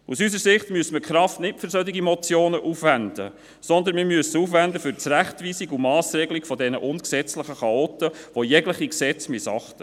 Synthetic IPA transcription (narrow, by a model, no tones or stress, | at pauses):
usysəɾsɪχt̪myəsməkχɾɑftnɪtfʏɾsœt̪ɪɡimɔt͡sjoːnəʔuːfʋænd̥ə̰ | sɔnd̪ənmimyəsəuːfʋænd̪əfʏɾt͡sɾæχtʋiːsiɡumɑːsrɛɡlikfɔdɛnə̰ʔʊnksɛt͡slɪχəχɑoːt̪əʋojɛɡləχiksɛt͡smɪsɑχt̪ə